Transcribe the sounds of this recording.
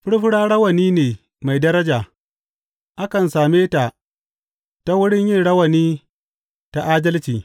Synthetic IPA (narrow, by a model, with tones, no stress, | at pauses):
ɸɪ˦ɽɸɪ˦ɽaː˦ɽɐ˦wɐ˨niː˦neː˨ | ma˨jdɐ˦ɾɐ˦d͡ʒaː˨ | ʔa˦kɐ˨nsaː˨meː˦ta˨ | ta˦wʊ˦ɽɪ˦ɲjɪ˦nɽɐ˦wɐ˨niː˦ | ta˨ʔaː˦dɐ˦lt͡ʃiː˨